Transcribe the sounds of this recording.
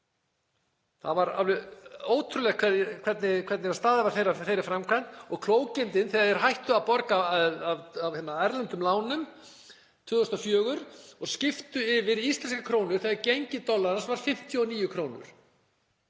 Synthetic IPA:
θavaɾa̰vloːwt̪ʰɾʏlɛakʰɛkʰvɛt̪nɪkʰvɛt̪nɪast̪aːðɪvaɾ̥θejraθejɾɪfɾamkʰɾan̥t̪ɔɣkʰl̥oːwcɪnt̪ɪnθɛɣaɛɾ̥ɦajht̪ʏawpɔɾkaavavhɛnːaajɾlɛnt̪ʏmlaːwnʏm | t̪ʰvʏːðɔst̪ɔfjœːɣʏɾɔɣscɪft̪ʏɪvɪɾist̪lɛnskakʰɾoːwnʏɾ̥θɛaɾcejɲcɪt̪ɔlːaðnsvaɾ̥fɪm̥t̪ʰjʏɔniːjʏkʰɾoːwnʏ̰ɾ̥

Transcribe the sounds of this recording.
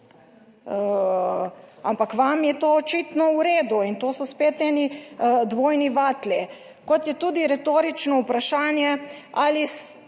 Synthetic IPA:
a̰mpakʋamjɛt̪oːt͡ʃit̪nɔuɾeːd̪uint̪oːsɔspeːt̪nɛnid̪ʋoːjniʋat̪li | kɔt̪jɛt̪uːd̪iɾɛt̪oːɾit͡ʃnɔupɾaʃaːnjɛalis

